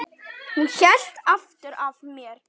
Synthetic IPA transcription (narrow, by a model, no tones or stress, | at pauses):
hunçɛl̥t̪aft̪ʏɾavmjɛɾ̥